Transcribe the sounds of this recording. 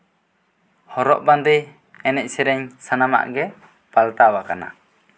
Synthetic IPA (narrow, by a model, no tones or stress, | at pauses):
hɔɾɔʔband̪i | ɛnɛc̚ˀsɛɾɛɲsanama̰ʔɡɛ | palt̪awakana̰